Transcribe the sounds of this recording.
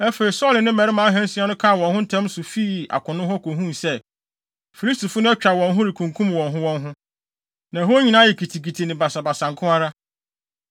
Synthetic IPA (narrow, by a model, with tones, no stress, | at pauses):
ɛ˦fe˨ɾi˨sɔ˦lɪ˨nɪ̃˦mɛ̃˨ɾɪ˦mã˨˦a˦ɦɛ̃˦n̩˦sɪ˦ã˦nʊ̃˦kʰã˦˨wɔ̃˨nhʊ̃˦n̩˦tʰɛ̃˦m˦sʊ˨fi˦˨a̰˨kʰʊ̃˨nʊ̃˦hɔ˦kʰo˨ɦũ˦˨sɛ˦ | fi˨li˦sti˨fʊ˦nʊ̃˦ɛ˦t͡ɕᶣa˨wɔ̃˨nɦʊ̃˦ɾɪ˨kʰũ˨ŋkʰũ˦mwɔ̃˨nɦʊ̃˦wɔ̃˦nɦʊ̃˦ | nã˨ɦo˦ɲĩ˦nã˦jɛ˨kʰi˨tʰi˨ki˨tʰi˨nɪ̃˨ba˨sa˨ba˨sã˨ŋ˨kʰʊ̃˦a˦ɾa˦